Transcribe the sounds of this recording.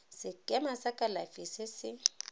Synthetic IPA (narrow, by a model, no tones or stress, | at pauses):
sɪkʼɛmasakʼalafisɪsɪ